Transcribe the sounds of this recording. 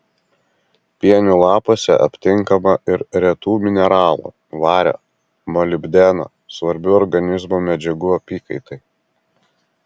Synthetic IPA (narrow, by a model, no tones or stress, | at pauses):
pʲiɛnʲuːlˠɑːpoːsʲɛ̰ʔɐ̰pʲt̪ʲɪŋˑkɐmɐʔɪɾɾʲɛt̪uːmʲɪnʲɛɾɑːlˠo̰ː | ʋɑːɾʲo̰ː | mɔlʲɪbʲd̪ʲɛno̰ː | sʋɐɾʲbʲʊɔɾɡɐnʲɪzmoːmʲɛd͡ʒʲɛɡuːɐpʲiːkɐɪt̪ɐɪ